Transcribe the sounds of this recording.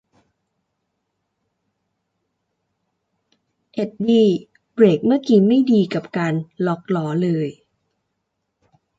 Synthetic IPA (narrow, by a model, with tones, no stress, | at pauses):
ʔe˨˩t̪̚biː˧˩ | bɾeː˨˩k̚mɯ˥˩ɐkiː˨˩ma˥˩jdiː˧ka˨˩p̚kaː˧nlɔː˦k̚lɔː˩˦lɤː˧j